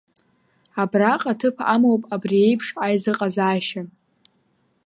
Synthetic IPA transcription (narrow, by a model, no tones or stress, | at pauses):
abraqʼatʰɨpʰa̰mowpʼabrie̞jpʰʂajzɨqʼazaːʃa